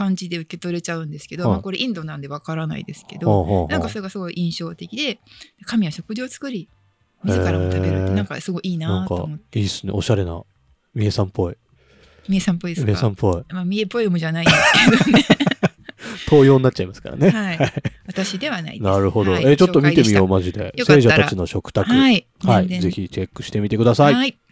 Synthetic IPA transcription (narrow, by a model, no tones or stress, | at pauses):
kãɲ̟d͡ʑid̪e̞ɯ̟ke̞t̪o̞ɾe̞t͡ɕaɯ̟̃nd̪e̞sɨ̥ke̞d̪o̞mmako̞ɾe̞ʔĩnd̪o̞nãnd̪e̞β̞akaɾana̰ḭd̪e̞sɨ̥ke̞d̪oaːɦanãkassoe̞ɡasɨɡo̞iʔĩɰ̃ɕo̞ːt̪e̞kʲid̪e̞d̪ekamʲiβaɕo̞kɯ̟ʑo̞ːt͡sɨ̥kɯ̟ɾʲi | mʲizekːaamtaeɯ̟ːnãŋka̰sɨɡo̞iiːnanãtka̰o̰oomot̪ːeiːsɨne̞̰oɕaɾe̞na̰ | mʲiesãmpo̞i | mʲiesãmpoid̪emʲiesãmpo̞imamʲiepːo̞imoʑanaĩeked̪one | t̪ʰo̞ːjo̞ːnːatt͡ɕːt͡ɕaimasɨ̥ka̰ɾa̰nehaihaiβat̪aɕid̪e̞βana̰ḭdnaɾɯ̟ho̞d̪o̞e̞t͡ɕo̞tt̪ːomʲit̪e̞mʲijo̞ːmaʑid̪e̞̰seːʑat̪at͡ɕino̞ɕo̞kɯ̟̥t̪akɯai | haize̞çit͡ɕe̞kːɯ̟̥ɕi̥t̪e̞mit̪e̞kɯd̪asaii